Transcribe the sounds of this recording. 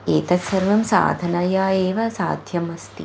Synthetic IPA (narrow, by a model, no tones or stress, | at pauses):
eːt̪ɐsɐɾʋɐmsa̰ːd̪ʱɐnɐjaːeːʋɐsa̰ːd̪ʱjɐmɐst̪ḭ